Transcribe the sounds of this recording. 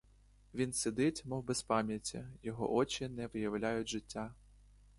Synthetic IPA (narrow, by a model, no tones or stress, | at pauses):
ʋʲinsɪd̪ɪtʲmɔwbɛspɑmʲjɐtʲːɐjɔɦɔ̰ʔɔt͡ʃɪnɛʋɪjɐwlʲajʊtʲʒɪtʲːa